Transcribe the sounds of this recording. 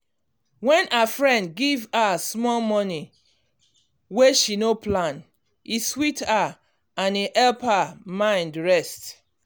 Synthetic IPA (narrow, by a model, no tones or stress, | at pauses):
wɛ̃nʔafɹɛ̃ndɡivasmɔlmɔni | weʃinoplãn | iswita | ãniʔɛlpamãɪ̃ndɹɛst